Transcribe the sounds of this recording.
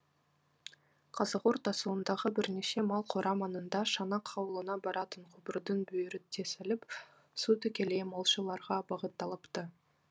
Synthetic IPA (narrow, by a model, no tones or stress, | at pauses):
qʰɑzɑqoɾt̪ɑsuənd̪ɑʁəbɪɾne̞ʃe̞mɑlˠqʰoɾʔɑmɑnənd̪ɑʃɑnɑqʰːɑwəlˠənɑbɑɾɑt̪əɴqʰʊbəɾd̪ənbɵjɪɾɪt̪ʰe̞sɪlɪp | sut̪ʰʏkʲe̞lemɑlˠʃəlˠɑɾʁɑbɑʁət̪ːɑlˠəpt̪ə